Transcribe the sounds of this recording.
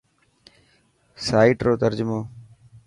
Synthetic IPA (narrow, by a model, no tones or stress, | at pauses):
saːiːʈɾoːt̪əɾd͡ʒʊmoː